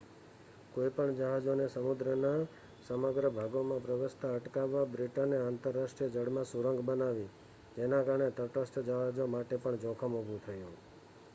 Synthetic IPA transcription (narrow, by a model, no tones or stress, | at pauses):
koipəɳd͡ʒəɦad͡ʒonesəmud̪ɾəna | səməɡɾəbʱaɡomãpɾəʋəst̪ʰaəʈkaʋːabɾiʈaneaːnt̪əɾːaʃʈɾijəd͡ʒəɽmãsuɾəŋɡbənaʋi | d͡ʒenãkaɾəɳet̪əʈəsʈd͡ʒəɦad͡ʒomaʈepəɳd͡ʒɔ̃kʰəmubʱũt̪ʰəjũ